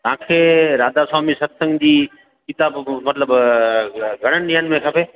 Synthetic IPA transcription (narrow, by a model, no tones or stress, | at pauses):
t̪ɐãːkʰeːɾaːd̪asaːmisɐɾsə̃ŋɡd͡ʑiː | kɪt̪aːbmɐt̪ləb | ɡʱɐɽ̃ənɪ̆ɗĩːɦənɪmẽkʰɐpʰeː